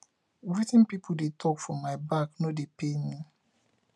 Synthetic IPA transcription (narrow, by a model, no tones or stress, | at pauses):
ɛɹitĩnpipʰoldetʰɔkfɔmaɪbaknodepenĩ